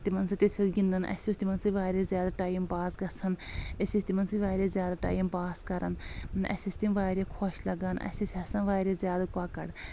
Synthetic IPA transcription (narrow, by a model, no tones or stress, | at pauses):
t̪imɐnsɐt̪isʰʲɐsɡind̪ɐnʔɐ̰sʲist̪imɐnsiʋaːɾezʲjaːd̪aʈaːjimbaːsɡɐsʰɐnɐsʲist̪imɐnsiʋaːɾezʲjaːd̪aʈa̰ːjimbaːskɐɾɐnnɐ̰sʲist̪imʋaːɾekʰoʃlɐɡanʔɐ̰sisʲɐsɐ̃nʋaːɾezjaːd̪akaːkɐ̰ɽ